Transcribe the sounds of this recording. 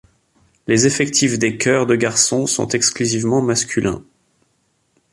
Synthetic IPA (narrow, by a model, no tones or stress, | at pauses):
lezefɛkt̪ʰifd̪ekʲʰœʁd̪əɡaʁsɔ̃sɔ̰̃t̪ɛksklyzivmɑ̃maskʲylʔɛ̰̃